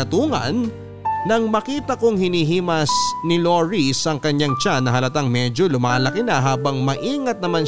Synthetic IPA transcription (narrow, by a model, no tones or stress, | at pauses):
ɐt̪uːŋɐ̰nː | ɐŋmɐkiːt̪ɐkoŋhɪniːɦiːmɐsnɪloɹisɐŋkɐɲːaŋt͡ʃanɐɦɐlɐt̪aŋmɛd͡ʒo̞lʊmaːlɐkɪnɐɦaːbɐŋmɐʔiːŋɐt̪̚nɐman